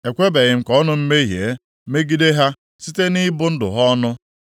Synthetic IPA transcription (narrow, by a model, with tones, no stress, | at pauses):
e˨kʷe˦be˨ɣɪ˨m̩˦kɔ˦nʊ˦m̩˦me˦ɦje˨˦ | me˦ɡi˦de˦ɦa˦ | si˦te˦ni˦bʊ˦n̩˦dʊ̰˨ɦɔ˦nʊ˦